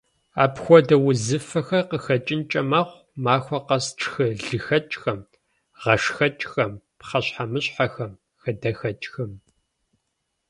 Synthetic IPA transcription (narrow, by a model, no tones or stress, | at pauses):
a̰ːpxʷɔdɐwʊzɨfɐxɐqəxɐt͡ʃʼɪnt͡ʃʼɐmɐχʷ | maːxʷɔqɐsʈ͡ʂʰʼxɨɮɨxɐt͡ʃʼxɐm | ʁɐʂxɐt͡ʃʼxɐm | pχɐɕħamɨɕħaxɐm | xɐdɐxɐt͡ʃʼxɐm